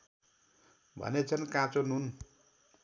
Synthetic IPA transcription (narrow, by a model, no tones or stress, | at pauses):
bʱʌ̰net͡sʰʌnkãt͡sonun